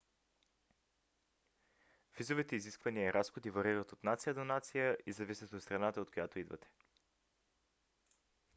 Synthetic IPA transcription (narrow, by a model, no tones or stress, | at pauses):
v̥izovit̪ɛiziskvɐniəɛɾʔasxod̪ivɐɾiɾət̪ot̪nat̪sijəd̪onat̪sijəʔizɐvisʲət̪ot̪st̪ɾɐnat̪əot̪̚kojat̪oid̪vɐ̰t̪ɛ̥